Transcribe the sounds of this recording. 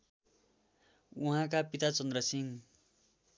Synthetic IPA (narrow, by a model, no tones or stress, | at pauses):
uɦãk̬apit̪at͡sʌnd̪rʌsiŋ